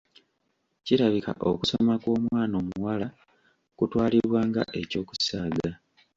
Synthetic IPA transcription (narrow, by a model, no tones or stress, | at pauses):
ciɾaβika̰ʔo̰kusomakwo̞ːmwaːno̞ːmuwala | kutwaːliɾwaːŋɡa̰ʔe̞co̞ːku̥saːɡa